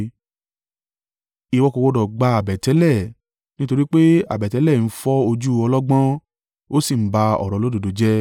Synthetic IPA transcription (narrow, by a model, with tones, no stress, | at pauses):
i˨˧˨wɔ˧ko˧wɔ˧dɔ˨ɡ͡ba˧a˨bɛ˨tɛ˨˦lɛ˦˨ | nĩ˦to˧ɾi˦k͡pe˦a̰˨bɛ˨tɛ˨˦lɛ˦˨n̩˦fɔ˦o˧d͡ʒu˦ɔ˧lɔ˦ɡ͡bã˦ | o˦si˦˨m̩˦ba˧ɔ̰˨ɾɔ˨lo˦do˨do˨d͡ʒɛ˦